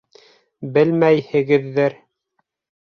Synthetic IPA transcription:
bɘlmæjhɘ̆ɡɘ̆ðːɘɾ

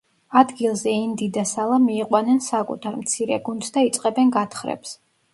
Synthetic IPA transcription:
ad̪ɡilˠzɛind̪id̪asalˠamiːqʼwanɛnsakʼṵt̪ʰaɾmt̪sʰiɾɛ̰ɡund̪sd̪ait̪sʼqʼɛbɛnɡat̪ʰχɾɛ̰ps

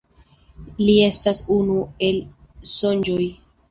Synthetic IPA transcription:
lie̞stasunue̞l | so̞nd͡ʒoj

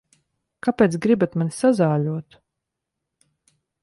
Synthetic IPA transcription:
kapʲeːt̪sɡɾibat̪manʲisazaːlʲuɔt̪

